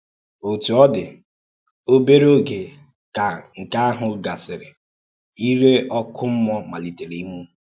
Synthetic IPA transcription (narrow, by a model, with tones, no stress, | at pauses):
o˨tu˨ɔ˦dɪ˨ | o˦be˦ɾo˦ɡe˨ | a˨ŋ̩˨ka˦a˦ɦʊ˨ɡa˨sɪ˨ɾɪ˨ | i˦ɾe˦ʔɔ˦kʰʊ˦m̩˦mɔ˦ma˨li˨te˨ɾe˨i˦mu˦